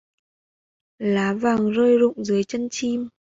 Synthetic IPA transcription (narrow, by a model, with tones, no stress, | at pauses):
laː˨˦vaː˨˩ŋzəː˧jzʊ̰˧˨ŋ͡mzɨ˨˦əjt͡ɕə˧nt͡ɕi˧m